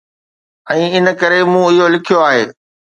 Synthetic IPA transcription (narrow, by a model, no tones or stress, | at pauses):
ɛ̃ːɪnə̆kɐɾemũɪɦolɪkʰijoaːɦeː